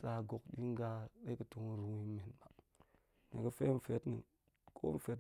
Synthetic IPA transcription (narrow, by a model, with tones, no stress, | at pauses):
sa˨ɡo˨kɗi˦ŋ˦ɡa˦ɗe˦kə˨tu˨ŋ˨ɾu˨ŋi˦me˨nba˨ | nḭ˨ɡə˦fe˦m̩˨fe˦tnḭ˨ | kʰo̰˦m̩˨fe˨˦t